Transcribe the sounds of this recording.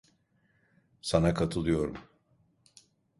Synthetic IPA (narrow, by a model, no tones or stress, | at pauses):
sanakʰat̪ʰɯlˠɯjo̞ɾum